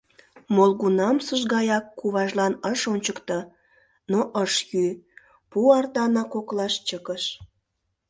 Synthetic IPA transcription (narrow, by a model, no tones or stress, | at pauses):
molɣunɑmsəʒɣɑjɑkːuβɑʒlɑnəʃonʲt͡ɕəkt̪ə | noʔəʃjy | puɑrt̪ɑnɑkoklɑʃt͡ɕəkəʃ